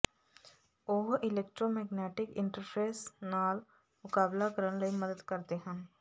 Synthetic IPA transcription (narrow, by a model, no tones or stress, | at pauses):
oɦʔɪleːk̚ʈɾomɛːɡnɛːʈɪkɪ̃ɳʈəɾpʰeːsnaːl | mʊkaːblakɐɾənlɐimɐd̪əd̪kɐɾt̪eɦɛ̃ː